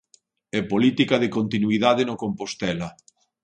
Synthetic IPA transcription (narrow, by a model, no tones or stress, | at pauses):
ɛpolit̪ikaðekont̪inuiðaðenokompost̪ɛlɐ